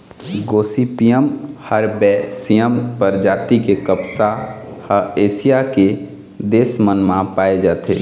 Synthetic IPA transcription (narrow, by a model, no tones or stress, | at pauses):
ɡoːsipijəmhəɾbɛːsijəmpəɾd͡ʒaːt̪ikekəpsa | həeːsijake | d̪eːsmənmãpaːed͡ʒaːt̪ʰḛː